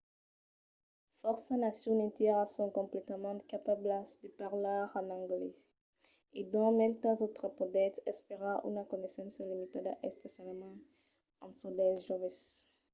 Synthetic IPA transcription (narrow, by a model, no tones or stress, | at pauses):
fɔʁsanasjɔ̃nit̪jɛʁsɔ̃kɔ̃mplɛt̪əmɑ̃kapablasd̪əpaʁlaʁɑ̃nɑ̃ŋɡle | ed̪ɔ̃mɛlt̪azot̪χəpɔd̪ɛt̪ɛspeʁaʔy̰nakɔnesɑ̃səlimit̪ad̪aʔɛspesjalmɑ̃ | ɑ̃nsud̪ɛʒovɛs